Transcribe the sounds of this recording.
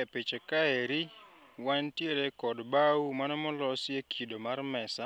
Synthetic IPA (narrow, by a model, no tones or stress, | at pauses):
ɛpet͡ʃekaeɾi | wantjeɾekɔdbaumanɔmɔlɔsɪekʰidomarmɛsa